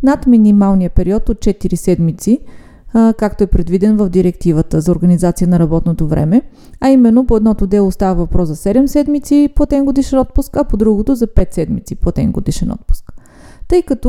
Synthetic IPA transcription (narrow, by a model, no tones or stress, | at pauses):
nat̪minimalˠnijəpɛɾiɔt̪ot̪̚t͡ʃɛt̪iɾisɛd̪mit̪si | kakt̪oɛpɾɛd̪vid̪ɛnvəfd̪iɾɛkt̪ivət̪əzɐoɾɡənizat̪sijənɐɾɐbɔt̪not̪ovɾʔɛ̰mɛ | ɐimɛnːopoɛd̪nɔt̪od̪ɛlˠost̪avəvɐpɾɔszɐsɛd̪ɛmsɛd̪mit̪sipoɐt̪ɛnɡod̪iʃɛnɔt̪̚pʊskɐpod̪ɾuɡot̪ozɐpɛt̪sɛd̪mḭt̪sipoɐt̪ɛ̰nɡo̰d̪iʃɛnɔ̰t̪̚pʊ̥sk | t̪ɤjkət̪o